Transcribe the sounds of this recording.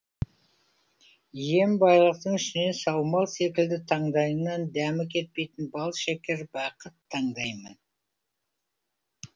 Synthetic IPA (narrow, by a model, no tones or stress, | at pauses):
je̞mbɑjlˠəq̚t̪əɴʏʃɪne̞sɑwmɑlˠse̞k̬ʲɪld̪ɪt̪ʰɑɴd̪ɑjənɑnd̪æmɪkʲʰe̞t̪̚pe̞jt̪ɪnbɑlˠʃekʲeɾbɑqət̪ʰːɑɴd̪ɑjmən